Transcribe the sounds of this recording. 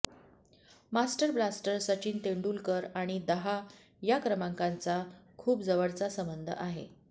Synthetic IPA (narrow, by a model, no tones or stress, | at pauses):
masʈəɾblasʈəɾsət͡ɕiːnt̪eɳɖuːlkəɾaɽ̃id̪əɦa | jakɾəmaŋkant͡sakʰuːpd͡zəʋəɽt͡sasəmbənd̪ʱə̰ʔaɦḛ